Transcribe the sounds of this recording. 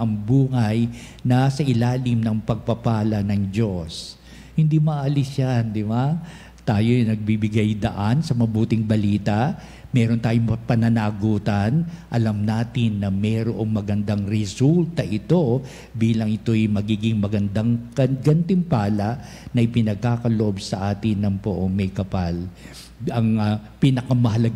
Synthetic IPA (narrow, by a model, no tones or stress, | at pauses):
ɐŋbuːhɐj | nasɐʔɪlaːlɪmnɐŋpɐɡ̚pɐpaːlɐnɐŋd͡ʒo̞s | hɪnd̪imɐʔɐlɪsjand̪ɪba | t̪aːjojnɐɡ̚bibɪɡajd̪ɐ̰ʔansɐmɐbuːt̪ɪŋbɐliːt̪ɐʔ | mɛːɾo̞nt̪aːjoŋpɐnɐnaːɡuːt̪ɐnʔɐlɐmnaːt̪ɪnːɐmɛːɾoʔo̞ŋmɐɡɐnd̪aŋɾɛsult̪ɐʔɪt̪o̞ | biːlɐŋɪt̪o̞jmɐɡiːɡɪŋmɐɡɐnd̪aŋkɐnɡɐnt̪ɪmpaːlɐʔ | nɐjpɪnɐɡ̚kaːkɐloʔobsɐʔaːt̪ɪnːɐŋpoʔoŋmɐjkɐpal | ɐŋɐpiːnɐkɐmɐɦɐlɐɡ